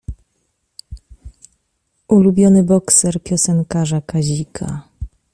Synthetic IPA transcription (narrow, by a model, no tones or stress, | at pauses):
ʔulubʲjɔnɘbɔksɛɾpʲjɔsɛŋkaʐakaʑikʰa̰